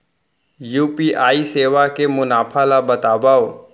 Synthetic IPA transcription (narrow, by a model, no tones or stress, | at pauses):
juːpiʔaːiseːʋakemʊnaːpʰalabɐt̪aːbaːo